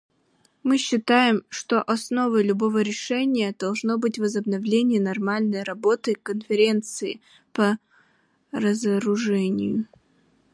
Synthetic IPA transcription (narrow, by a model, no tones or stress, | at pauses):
mɨɕːɪt̪ajɪmʂt̪o̞ʔɐsno̞vəjlʲʊbo̞vəɾʲɪʂɛnʲɪjəd̪̥ɐlˠʐno̞bɨtʲvəzəbnɐvlʲenʲɪjənɐrmalʲnəjɾɐbo̞t̪ɨkənfʲɪɾʲe̞nt̪sɨɪ̰ | pə | rəzəɾʊʐɛnʲɪ̰jʊ